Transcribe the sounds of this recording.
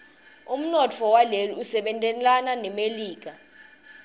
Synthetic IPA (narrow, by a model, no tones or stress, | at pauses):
um̩nɔt͡fʰɔwaleliusɛɓɛntʼɛlananɛmeliːk̬a